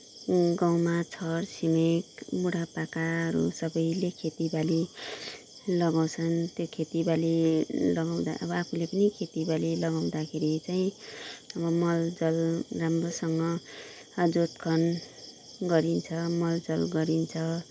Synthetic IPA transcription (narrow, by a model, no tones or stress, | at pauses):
ɡaw̃mat͡sʰʌrsimekbuɽapakaʌɾṵsʌbʌjlekʰet̪ibali | lʌɡaw̃t͡sʰʌnt̪jokʰet̪ibalilʌɡaw̃d̪a̰ʔʌbʌapʰulepʌnikʰet̪ibalilʌɡaw̃d̪akʰeɾit͡saĩʌbʌmʌld͡zʌlramrosʌŋɡʌ | d͡zot̪kʰʌn | ɡʌɾint͡sʰʌmʌld͡zʌlɡʌɾint͡sʰʌ